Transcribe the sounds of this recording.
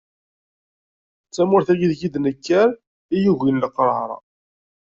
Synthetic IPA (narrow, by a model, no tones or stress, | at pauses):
t͡sːæmʊɾθæjiðʝid̪nəkːæɾ | ijuʝinləqːɾˤəɾˤɑ̰